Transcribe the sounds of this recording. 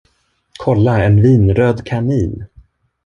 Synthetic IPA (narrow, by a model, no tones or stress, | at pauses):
kʰɔlːaɛnviːnɾøːd̪kʰaniːn